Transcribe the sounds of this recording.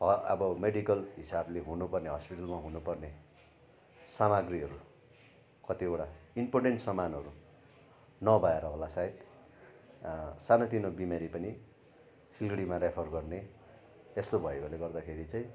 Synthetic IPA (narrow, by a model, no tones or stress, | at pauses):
ʌʌ̰bʌmeɽikʌlɦisableɦunupʌrneɦʌspiʈʌlmaɦunupʌrne | samaɡriɦʌɾu | kʌt̪ioʈaimporɖeɳʈsʌmanɦʌɾu | nʌbʱʌeɾʌɦolasaɦet̪ | sanʌt̪inobimeɾipʌni | silɡɽimaɾepʰʌrɡʌrne | est̪obʱʌeboleɡʌrd̪akʰeɾit͡saĩ